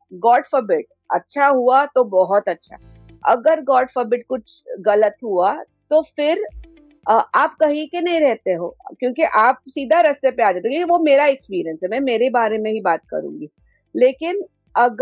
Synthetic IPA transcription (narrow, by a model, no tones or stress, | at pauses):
ɡɔːʈfəbɪʈ̚ | ɐ̰tːʃʰaɦuat̪obɔɦɔt̪ɐtːʃʰa̰ | ɐ̰ɡəɾɡɔːʈfəbɪʈ̚kʊt͡ʃʰɣɐlət̪ɦua | t̪ofɪɾ | ʔaːp̚kɐɦikenɐɦĩɾɛɦt̪eɦo̰ːkjõːkiʔaːp̚siːd̪ʱaɾɐst̪epeaːd͡ʒaːt̪ẽokjõkiʋomeːɾaɪkspiːɾijənsɦɛmɛ̃meːɾebaːɾemẽɦibaːt̪̚kɐ̰ɾṵ̃ːŋɡiː | leːkɪn | ɐɡ